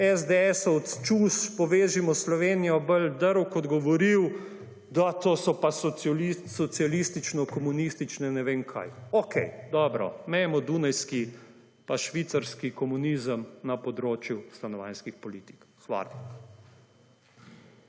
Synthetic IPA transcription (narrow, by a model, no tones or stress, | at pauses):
ɛzd̪eɛsɔɔt̪t͡ʃuspɔʋeːʒimɔslɔʋeːnijɔbəld̪əɾwkɔd̪ɡɔʋɔɾiw | d̪at̪oːsɔpasɔisɔt̪sijalist̪it͡ʃnɔkɔmunist̪it͡ʃnɛnɛʋeːnkʰa̰jokʰɛjd̪ɔːbɾɔ̰mɛjɛmɔd̪unajski | paʃʋit̪saɾskikɔmunizəmnapɔd̪ɾoːt͡ʃjust̪anɔʋa̰nskixpɔliːt̪i̥k | xʋa̰ːl